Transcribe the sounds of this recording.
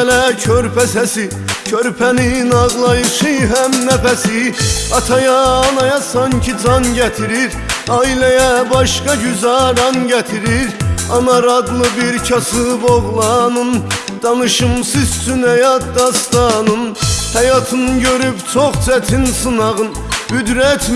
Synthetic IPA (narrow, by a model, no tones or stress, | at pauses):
læcʰøɾpʰæsæsi | cʰøɾpʰæninɑʁlˠɑjɯʃɯɦæmnæfæsiɑt̪ʰɑjɑːnɑjɑsɑncʰid͡ʒʰɑnɟæt̪ʰiɾiɾ | ɑilæjæbɑʃkɑɟyzæɾɑnɟæt̪ʰiɾiɾɑnɑɾɑd̪lˠɯbiɾcʰɑsɯboʁlˠɑnɯn | d̪̥ɑnɯʃɯmsizt͡ʃʰynhæjɑt̪̚d̪ɑst̪ɑnɯnhæjɑt̪ʰɯnɯɟøɾypt͡ʃʰoχt͡ʃʰæt̪ʰinsɯnɑʁɯn | byd̪ɾæt̪ʰ